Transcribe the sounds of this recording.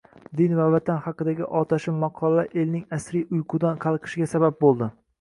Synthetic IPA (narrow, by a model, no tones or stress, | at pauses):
d̪ɪnvavat̪ʰanχɑqɨd̪aɡʲɪʔɒt̪ʰaʃɪmɑqʰɒlaʔe̞lnɪŋasɾijʊjqʰʊd̪anqʰɑlˠqʰɨ̥ʃɪɡʲasabap̚bolˠd̪ɪ